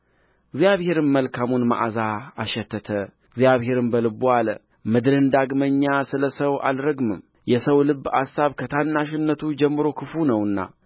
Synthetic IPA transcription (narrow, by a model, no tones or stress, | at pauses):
ɡzjaβhe̞ɾɨnməlkʰamunma̰ʔazaːʃːɛt̪ʰːət̪ʰə | ɨɡzjaβhɦe̞ɾɨnbəlɨbualə̰ | mɨd̪ɾɨnd̪aɡməɲːasɨləsəwa̰lɾəɡmɨm | jɛsəwlɨbːa̰sːaβkʰət̪ʰanːaʃ̬ɪnːət̪ʰud͡ʒɛmːɨɾo̞kʰɨfunəwɨnːa̰